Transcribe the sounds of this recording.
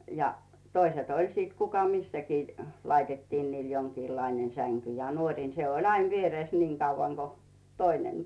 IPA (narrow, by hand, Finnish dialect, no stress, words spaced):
jɑ toiset olʲ sit kukɑ misːækiː lɑitetːiːn niːl joŋkiːlːɑinen sæŋky jɑ nuorʲiˑn se olʲ ɑin ʋiereˑs niːŋ kɑuʋɑŋ ɡ̊o toinen